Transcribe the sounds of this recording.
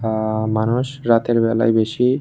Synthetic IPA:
manuʃɾat̪eɾbɛla̰jbeʃi

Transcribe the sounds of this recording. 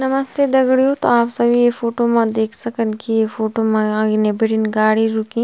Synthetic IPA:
nɐmɐst̪ed̪ɐɡɽijot̪oaːpsɐbʱiefoːʈomãd̪eːkʰsɐkənkijefoːʈomãɡnebɪɽinɡaːɽiɾʊkĩː

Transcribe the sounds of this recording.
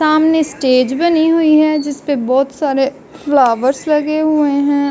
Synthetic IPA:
saːmnesʈeːd͡ʒbɐniɦʊiɦɛd͡ʒɪspebɔːt̪saːɾe | flaːʋəɾslɐɡeɦʊeɦɛ̃

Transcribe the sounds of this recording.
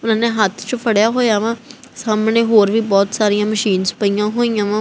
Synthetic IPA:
ʊnãːneːɦət̪ʰt͡ʃõpʰəɽjaːɦoːjaːʋãː | saːmneːɦoːɾʋiːbɔːt̪saːɾijãːməʃiːnzpəijãːɦoːijãːʋãː

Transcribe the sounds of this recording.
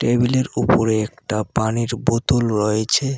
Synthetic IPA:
ʈebileɾupoɾeek̚ʈapaniɾbot̪olɾɔjet͡ɕʰe

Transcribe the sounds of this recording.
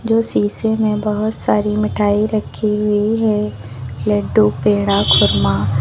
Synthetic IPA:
d͡ʒoːsiːsemẽbɐɦʊt̪saːɾimɪʈʰaːiɾɐkʰːiɦʊiɦɛ | lɛːɖuːpeːɽ̃akʰʊɾmaː

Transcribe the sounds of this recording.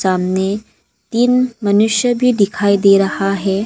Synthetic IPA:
saːmne | t̪iːnmɐnuʃjəbʱid̪ikʰaːid̪eːɾɐhaɦɛː

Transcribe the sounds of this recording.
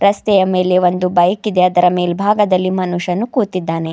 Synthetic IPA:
ɾɐst̪ɛjɐme̞ːle̞ʋo̞nd̪ubɐjɐkid̪e̞ɐd̪ɐɾɐme̞ːlebʱaːɡɐd̪ɐlːimɐnuʂɐnːukuːt̪id̪ːaːne̞

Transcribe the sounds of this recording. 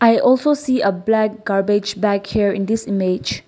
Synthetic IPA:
ʔajʔɔlsosiəblɛk̚ɡ̥aɹbɪd͡ʒbɛkhiɹḭ̃ndisimed͡ʒ

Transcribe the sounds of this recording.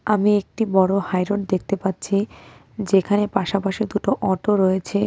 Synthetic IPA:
amiek̚ʈibɔɽohajɾoɖ̚d̪ek̚ʰt̪epatːɕʰi | d͡ʑekʰanepaʃapaʃid̪uʈoʔɔʈoɾojet͡ɕʰe

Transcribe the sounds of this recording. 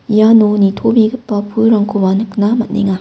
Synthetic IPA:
ijanonitʰobiɡɯpːɐpʰuɾaŋkʰobanɯknamɐt̚nḛŋa

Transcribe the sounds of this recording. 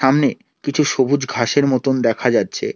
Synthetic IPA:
amne | kit͡ɕʰuʃobʱud͡ʑɡʱaʃeɾmɔt̪ond̪ɛkʰad͡ʑatːɕʰḛ

